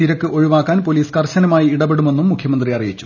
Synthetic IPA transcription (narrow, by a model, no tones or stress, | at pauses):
iɾɐkːɨo̞ɻiʋaːkːaːnpo̞liːskɐrɕɐnɐmaːjiiɽɐbeɽume̞nːumːukʰjɐmɐnd̪riɐrijit͡ɕːu̥